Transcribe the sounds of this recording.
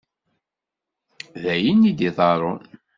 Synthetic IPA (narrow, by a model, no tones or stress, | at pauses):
ðæjənːid̪iðˤɑɾˤon